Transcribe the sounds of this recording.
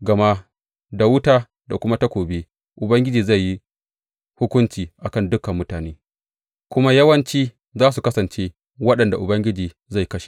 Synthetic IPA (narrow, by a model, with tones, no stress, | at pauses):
ɡɐ˨ma˦ | da˨wʊ˦taː˦ | da˨kʷʊ˦ma˦ta˦kʷoː˨be˦ | ʔʊ˨bɐ˦ŋɡʲɪ˦d͡ʒiː˨za˦˨jːi˦ | hʊ˦kʷʊ˦nt͡ʃiː˨ʔa˨kɐ˦ndʊ˦kɐ˨mːʊ˦taː˨neː˦ | kʷʊ˦ma˦jɐ˦wɐ˦nt͡ʃiː˦ | zaː˦s̬u˨kɐ˦sɐ˨nt͡ʃeː˦ | wɐ˦ɗɐ˨nda˨ʔʊ˨bɐ˦ŋɡʲɪ˦d͡ʒiː˨ | za˦˨jkɐ˦ʃi̥˨